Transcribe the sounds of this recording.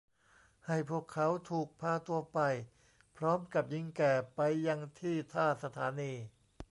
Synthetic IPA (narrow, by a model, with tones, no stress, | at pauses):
ha˥˩jpʰu˥˩əkʰːa˦˥wt̪ʰuː˨˩k̚pʰaː˧t̪u˧ɐpa˧j | pʰɾɔː˦˥mka˨˩p̚ji˧ŋkɛː˨˩pa˧jːa˧ŋt̪ʰiː˥˩t̪ʰaː˥˩sa˧t̪ʰaː˩˦niː˧